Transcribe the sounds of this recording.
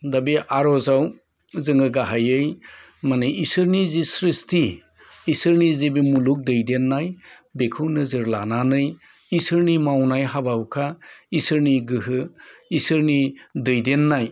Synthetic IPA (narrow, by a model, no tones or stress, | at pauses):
dabiʔaɾɔzaw | zɯŋɯɡaɦajɯj | maneisɯɾnizisɾistiː | sɯɾnizebimuluk̚dɯjdenːaj | bekʰɯwnɯzɯɾlananɯj | isɯɾnimawnajɦabawkʰaisɯɾniɡɯɦɯisɯɾnidɯjdenːaj